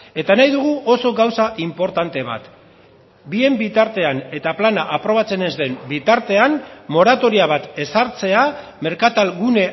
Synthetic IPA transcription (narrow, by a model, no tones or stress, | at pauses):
e̞t̪anajðuɣ̞uʔo̞so̞ɣawsaʔimpo̞ɾt̪ant̪e̞β̞a̰t̪ | bie̞mbit̪aɾt̪e̞ane̞t̪aplanaʔapɾo̞β̞at͡se̞ne̞zd̪e̞mbit̪aɾt̪e̞anmo̞ɾat̪o̞ɾiaβ̞at̪e̞saɾt͡se̞a | me̞ɾkat̪alɣune̞